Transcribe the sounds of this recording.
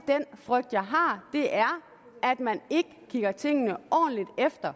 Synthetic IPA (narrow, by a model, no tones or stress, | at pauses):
d̥enfʁœɡ̥̚d̥jɑ̈ɪɦɑ̈d̥e̝ʔæɐ | æd̥mæne̝ɡ̥əkʰiɡ̥ɐt͡sʰe̝ŋ̰ənəʔɒ̰ːn̩lid̥efd̥ɐ